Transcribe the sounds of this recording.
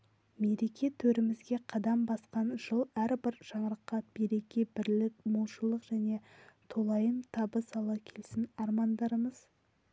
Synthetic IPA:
me̞ɾe̞kʲe̞t̪ʰɵɾɪmɪzɡʲe̞qʰɑd̪ɑmbɑsqɑnʒəlˠæɾbɪɾʒ̥ɑɴɾəqːɑbe̞ɾe̞kʲe̞bɪɾlɪkmolˠʃəlˠəqʒ̥æne̞t̪ʰolˠɑjənt̪ʰɑbəsɑlˠɑkʲʰe̞lsɪnɑɾmɑnd̪ɑɾəməz̥

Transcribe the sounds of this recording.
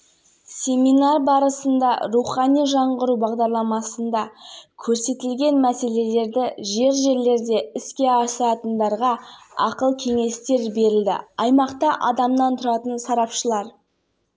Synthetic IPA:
sʲe̞mʲinɑrbɑɾəsənd̪ɑ̰ɾuχɑnijʒɑɴʁəɾubɑʁd̪ɑɾlˠɑmɑsənd̪ɑkʲʰɵɾse̞t̪ɪlɡʲe̞nmæse̞le̞le̞ɾd̪ɪʒe̞ɾʒe̞ɾle̞ɾd̪e̞ɪskʲe̞ɑsɑt̪ənd̪ɑɾʁɑɑ̰qəlˠkʲʰe̞ŋe̞st̪e̞ɾbe̞ɾɪld̪ɪ̰ɑjmɑqt̪ɑʔɑ̰d̪ɑmnɑnt̪ʰʊɾɑt̪ənsɑɾɑpʃəlˠɑɾ

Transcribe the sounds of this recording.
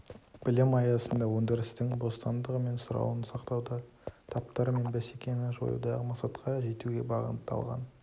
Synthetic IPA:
b̥ɪlɪmɑjɑsənd̪ɑwɵnd̪eɾɪst̪ɪŋbo̞st̪ɑnd̪əʁəme̞nsʊɾɑ̰wənsɑqt̪ɑwd̪ɑ | t̪ʰɑp̚t̪ɑɾme̞nbæse̞kʲe̞nɪʒo̞̰jə̰d̪ɑʁəmɑqsɑt̪qʰɑʒe̞t̪uɡʲe̞̰bɑʁə̰nt̪ːɑ̰lˠʁɑ̰n

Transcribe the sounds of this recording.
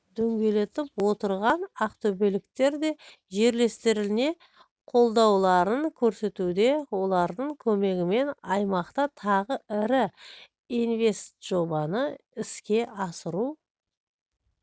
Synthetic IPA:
d̪̥ɵŋɡʲe̞le̞t̪ɪpwo̞t̪əɾʁɑnɑqt̪ʰɵbe̞lɪk̚t̪e̞ɾd̪e̞ | ʒe̞ɾle̞st̪ɪɾɪlɪne̞ | qʰo̞lˠd̪ɑwlˠɑɾəŋkʲʰɵɾse̞t̪ud̪e̞wo̞lˠɑɾd̪əɴkʲʰɵme̞ɡʲɪme̞nɑjmɑqt̪ɑt̪ʰɑʁəɪɾɪ | inve̞st̪ʒ̥o̞bɑnəɪskʲe̞ʔɑsəɾu

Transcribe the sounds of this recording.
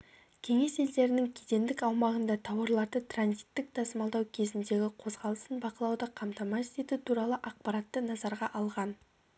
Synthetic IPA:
kʲʰe̞ŋe̞se̞ld̪e̞ɾɪnɪŋkʲʰet̪e̞nd̪ɪkɑwmɑʁənd̪ɑt̪ʰɑwɑɾlˠɑɾd̪ət̪ʰranzit̪ːɪk̚t̪ʰɑsəmɑlˠd̪ɑwkʲʰe̞zɪnd̪e̞ɡʲɪqʰo̞zʁɑlˠəsənbɑqəlˠɑwd̪əqʰɑmt̪ɑmɑet̪e̞t̪ɪt̪ʰuɾɑlˠəʔɑq̚pɑɾat̪ːənɑzɑɾʁɑʔɑlˠʁɑn

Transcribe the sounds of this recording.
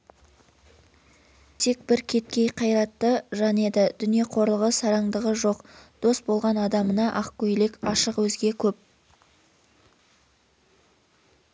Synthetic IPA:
t̪ʰe̞k̚bɪɾkʲʰe̞t̪̚kʲe̞jqʰɑjɾɑt̪ːəʒɑne̞d̪ɪd̪ʏnije̞qʰo̞ɾlˠəʁəsɑɾɑŋd̪əʁəʒo̞qd̪̥o̞sbo̞lˠʁɑnɑd̪ɑmənɑʔɑqkʲɵjlɪkʲɑʃəqwɵzɡʲe̞kʲʰɵp̚

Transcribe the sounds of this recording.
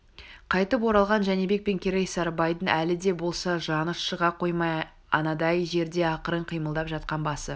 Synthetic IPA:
qʰɑjt̪əp̬wo̞ɾɑlˠʁɑnʒæne̞be̞k̚pe̞ŋkʲʰeɾejsɑɾbɑjd̪ənʔælɪd̪e̞bo̞lˠsɑʒɑnəsʃəʁɑqʰo̞jmɑj | ɑ̰nɑd̪ɑjʒe̞ɾd̪e̞ɑqəɾəɴqʰijməlˠd̪ɑpʒɑt̪̚qɑnbɑsə

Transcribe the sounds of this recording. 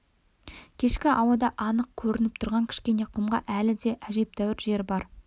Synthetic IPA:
kʲʰe̞ʃkʲɪʔɑwɑd̪ɑʔɑnəq̚kʲʰɵɾɪnɪp̚t̪ʰʊɾʁɑŋkʲʰɪ̥ʃkʲe̞ne̞qʰʊmʁɑ̰ʔælɪd̪e̞ʔæʒe̞p̚t̪æwɪɾʒe̞ɾbɑɾ

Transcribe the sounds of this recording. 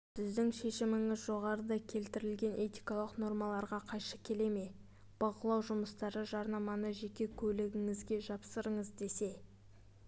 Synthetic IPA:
sɪzd̪ɪŋʃe̞ʃɪmɪŋɪzʒo̞ʁɑɾəd̪ɑkʲʰe̞lt̪ɪɾɪlɡʲe̞nʔe̞t̪ijkɑlˠəqno̞ɾmɑlˠɑɾʁɑqʰɑjʃəkʲʰe̞le̞me̞ | b̥ɑqəlˠɑwʒʊməst̪ɑɾəʒɑɾnɑmɑnəʒe̞kʲe̞kʲʰɵlɪɡʲɪŋɪzɡʲe̞ʒɑpsəɾəɴəzd̪e̞se̞

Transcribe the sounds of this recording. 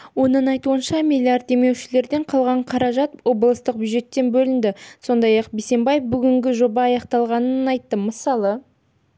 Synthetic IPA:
wo̞nəɴɑjt̪uənʃɑmʲilʲːiard̪̚e̞me̞wʃɪle̞ɾd̪e̞ɴqʰɑlˠʁɑɴqʰɑɾɑʒɑt̪wo̞blˠəst̪əq̚bʲjuʒe̞t̪ːe̞nbɵlɪnd̪ɪso̞nd̪ɑjɑqbese̞mbɑjefbʏɡʲɪŋɡʲɪʒo̞bɑːjɑqt̪ɑlˠʁɑnənɑjt̪ːəməsɑlˠə

